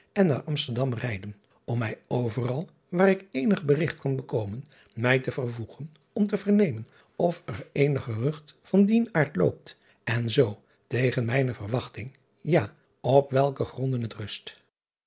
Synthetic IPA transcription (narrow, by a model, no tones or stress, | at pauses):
ɛnːa̰ːɹʔɑmstəɹdɑmrɛjdən | ɔmɛjowvərɑlˠ | ʋaːɾɪkejnəχbərɪχtkɑnbəkowmən | mɛjtəvərvuχən | ɔmtəvəɹnejmən | ɔfərejnəχərɵχtfɑndinaːɹtlo̰wp̚t | ɛnzow | tejχənmɛjnəvərʋɑχtɪŋ | jaː | ɔpʋɛlˠkəχrɔndənɦətrɵst